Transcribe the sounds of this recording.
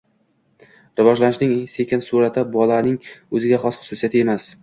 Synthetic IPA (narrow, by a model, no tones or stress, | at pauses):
ɾɪvɒʒlanɪʃnɪŋsekʲɪnsuɾat̪ʰɪbɒlˠanɪŋɵzɪɡʲaχɒsχʊ̥sʊsijat̪ʰɪe̞mas